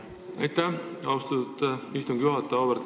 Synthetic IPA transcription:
ɑ̰jt̪ːæɑust̪ɑt̪t̪ːist̪uŋɡ̥juɦɑt̪ːˑɑovəɾt̪

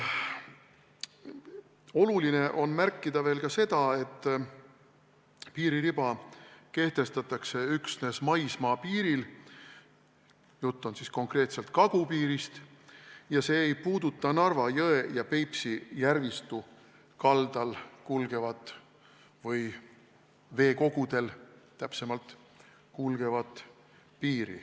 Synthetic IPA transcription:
o̞luline̞ʔo̞nmærkːˑid̪̥ɑve̞ːlkɑse̞d̪ɑe̞t̪ːˑ | piːɾiɾib̥ɑke̞ht̪e̞st̪ɑt̪ːˑɑkse̞yksne̞smɑjsmɑːpiːɾil | jut̪ˑːonsisko̞ŋkre̞ːt̪se̞lt̪̚kɑɡ̥upiːɾist̪ | jɑse̞ːjpuːd̪ut̪ˑːɑnɑrvɑjɤejɑpe̞jpsijærvist̪u | kɑld̪̥ɑlkulɡ̥e̞vɑt̪ːˑ | vɤj | ve̞ːko̞ɡ̥ud̪̥e̞lt̪ːæpse̞mɑlt̪ | kulɡ̥e̞vɑt̪ːˑ | piːɾḭ

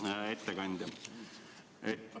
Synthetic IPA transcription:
et̪ːekɑnʲd̪ʲɑ

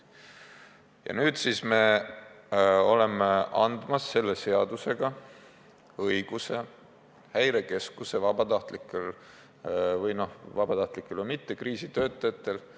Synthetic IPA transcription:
jɑ̰nyːd̪siːsme̞ | o̞le̞meʔɑnd̪̥mɑsːe̞lːe̞se̞ɑd̪̥use̞ɡ̥ɑ | ɤjɡ̥use̞ | hæjɾe̞ke̞skuse̞vɑb̥ɑt̪ɑht̪likːˑel | vɤjno̞hvɑb̥ɑt̪ɑht̪likːˑelomit̪ːe̞kriːsit̪ø̞ːt̪ːˑɑjɑt̪ːˑel

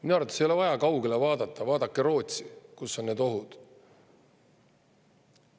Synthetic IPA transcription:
minɑrvt̪e̥sejo̞le̞vɑjɑkɑwɡelevɑːd̪ɑt̪ːˑɑvɑːd̪̥ɑkːˑeɾo̞ːt̪ʲsikusːo̞nneːd̪o̞ɦud̪̥

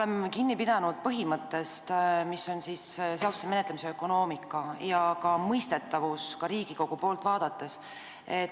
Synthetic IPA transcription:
ole̞mkinːipid̪ɑnud̪̥̚pɤɦimɤt̪ːˑe̞st̪misːo̞nsisseɑst̪umenet̪lemiseøkːˑo̞no̞ːmikːˑɑjɑkɑmɤjst̪e̞t̪ːˑɑvuskɑɾiːɡ̥iko̞ɡ̥upo̞ːlt̪vɑːd̪̥ɑt̪ːˑe̞s | et̪

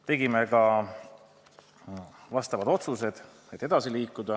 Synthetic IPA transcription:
t̪e̞ɡime̞kɑ | vɑst̪ɑvɑd̪o̞t̪suse̞d̪̥ | e̞t̪ːˑe̞d̪ɑsiliːkːˑud̪̥ɑ

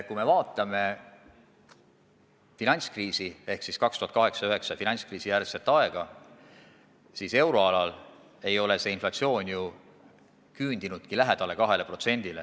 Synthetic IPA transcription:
kume̞vɑːt̪ːˑɑme̞ | finɑnʲskriːsie̞hksiskɑkst̪uhɑt̪kɑɦe̞ksɑøɦe̞ksɑfinɑnt̪skriːsijærse̞t̪ːˑɑe̞ɡ̥ɑ | siːse̞wɾo̞ɑlɑl | e̞jo̞le̞se̞inflɑt̪sio̞ːnʲju | kyːnd̪̥inud̪̥̚kilæɦe̞d̪̥ɑle̞kɑɦe̞le̞pro̞t̪se̞nʲd̪̥ile

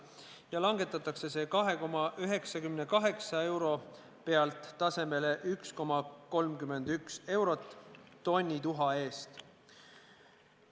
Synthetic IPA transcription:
jɑlɑŋɡe̞t̪ːˑɑt̪ːˑɑkse̞se̞ːkɑɦe̞ko̞mɑʔyɦe̞ksɑkymnekɑɦe̞ksɑe̞wɾo̞ | pe̞ɑlt̪ˑːɑse̞me̞le̞ʔyksko̞mɑko̞lmkyme̞nd̪̥ykse̞wɾo̞t̪ˑː | o̞nʲːit̪uɦɑe̞ːst̪

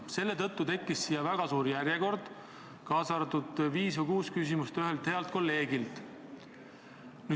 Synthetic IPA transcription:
se̞lːe̞t̪ɤ̞t̪ˑːut̪e̞kːˑisːijɑvæɡ̥ɑsuːɾjæɾjeko̞rd̪̥ | kɑːsɑrt̪ud̪̥viːsvɨkuːskys̬imust̪yɦelt̪he̞ɑlt̪̚ko̞lːe̞ːɡ̥ilt̪ | ny

